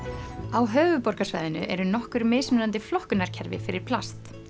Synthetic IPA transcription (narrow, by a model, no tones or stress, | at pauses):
awɦœːɥvʏpɔɾkasvaːjðɪnʏ̰ʔɛɾʏnɔhkʏɾmeːjsmʏnant̪ɪflɔhkʏnaɾ̥cʰɛɾvɪ̰fɪɾɪɾ̥pʰlast̪